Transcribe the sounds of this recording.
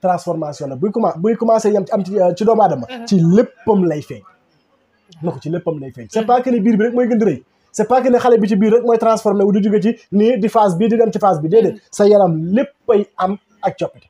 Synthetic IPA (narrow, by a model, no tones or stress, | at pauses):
tɾãnsfɔɾmasjɔnɐbujkumabujkumaːsɐjɐmɐmit͡ʃidɔːbaːdɐmːɐt͡ʃilepːɐmlɐjfɛ̰ɲ | nukt͡ʃilepːɐmlɐjfɛːɲsɛpakənibiːɾbiɾek̚mɔːjɡəndiɾɐj | sɛpaːkənixɐlɐbit͡ʃibiːɾɛk̚mɔːjtɾansfɔɾmɛwdiduɡɐt͡ʃinidifas̬bidiɡɐmt͡ʃifaːs̬bidɛːdɛnsɐjɐlɐmlepːɐjɐm | ɐk̚t͡ʃɔpːit